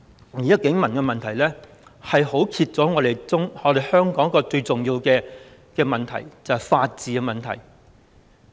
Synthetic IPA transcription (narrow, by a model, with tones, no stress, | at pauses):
iː˨˥jɐ˥t̚kɪ˨˥ŋmɐ˨˩nkɛ˧mɐ˨nt̪ʰɐ˨˩jlɛː˥ | hɐ˨jho˨˥wkʰiː˧t̚t͡sɔː˨˥ŋɔː˨˧ɾe˨jʊ˥ŋŋɔː˨˧d̪e˨jhœː˥ŋkɔː˨˥ŋ˥kːɔː˧t͡sɵ˧ɥt͡sʊ˨ŋjiː˧wkɛː˧ | kɛː˧mɐ˨nt̪ʰɐ̰˨˩jt͡sɐ˨whjfaː˧t̚t͡siː˨˧kɛ˧mɐ˨nt̪ʰɐ̰˨˩j